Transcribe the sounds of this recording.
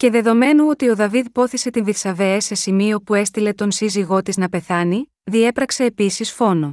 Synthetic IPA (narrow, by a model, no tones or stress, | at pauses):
ce̞ðe̞ðo̞me̞nuo̞t̪io̞ðɐviðpo̞θise̞t̪inðiθsɐve̞ɐse̞simio̞pue̞st̪ile̞t̪o̞nsiziɣo̞t̪iznɐpe̞θɐni | ðie̞pɾɐkse̞ːpisisfo̞no̞